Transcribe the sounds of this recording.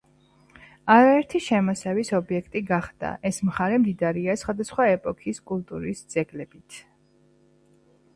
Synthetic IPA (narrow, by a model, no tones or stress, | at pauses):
aɾaɛɾt̪ʰiʃɛmɔsɛvisɔbiɛkʰt̪ʼiɡaχd̪̥a̰ʔɛsmχaɾɛmd̪id̪aɾiasχwad̪asχwaɛpʼɔkʰiskʼulˠt̪ʼuɾisd̪z̥ɛɡlɛb̥it̪ʰ